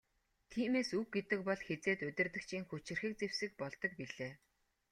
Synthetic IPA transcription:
t̪ʰiːmeːsuxɡet̪ɘ̆kpɔɮxet͡seːt̪ɵt̪ʲɪ̆rt̪ɘ̆kt͡ɕʰiːŋxɵt͡ɕɪ̆rxĭːk̚t͡sewsɘ̆k̚pɔɮt̪ɞ̆k̚piɮeː

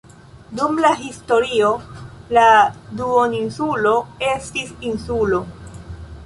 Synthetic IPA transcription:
dumlaɦisto̞ɾio̞laduoninsulo̞e̞stisinsulo̞

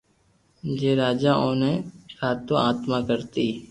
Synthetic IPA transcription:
d͡ʒeːɾaːd͡ʒaːʔõːnẽːkaːt̪õaːt̪maːkəɾt̪iː

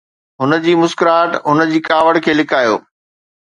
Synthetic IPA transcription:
ɦʊnə̆d͡ʑiːmʊskɾaːʈɦʊnə̆d͡ʑiːkaːʋəɽkʰeːlɪkʰaːjo̰ː

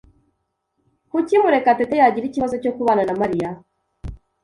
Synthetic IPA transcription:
kucimuɾe̞katetejaɟiɾiciβazo̞co̞kuβaːnanamaɾija

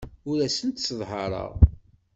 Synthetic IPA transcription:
ʊɾæsənt̪sðˤɦəɾˤə̰ʁ

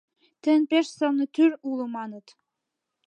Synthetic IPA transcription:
t̪ɘ̆npeʃsɤlnɤ̆t̪yɾulɤ̆mɑnə̆t̪

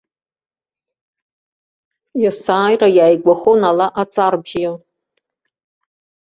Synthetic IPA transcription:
jasaːjrajaːjɡʷaχonalaʔat͡sʼarbal

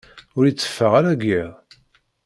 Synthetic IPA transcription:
ʊɾjit͡sːə̥fːəʁaɾæɡiðˤ

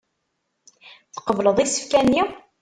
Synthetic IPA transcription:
θqəvləðˤisə̥fkænːi

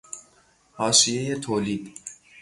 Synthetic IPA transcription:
hɒːʃije̞je̞t̪ʰoːliːd̪̥

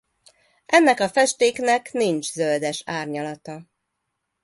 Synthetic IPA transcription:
ʔɛnːɛkɒfɛʃt̪eːknɛknint͡ʃzøld̪ɛʃaːrɲɒlɒt̪ɒ

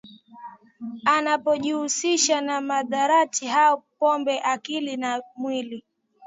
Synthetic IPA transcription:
anapɔʄihusiʃanamaðaɾatʰiɦaɔpɔmbɛʔakilinamwili

